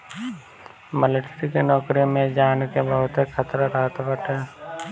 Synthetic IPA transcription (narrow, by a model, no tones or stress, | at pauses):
məlɪʈɾikenɔːkɾijõmẽd͡ʒaːnkebəɦʊt̪kʰət̪ɾaɾaɦt̪bəʈe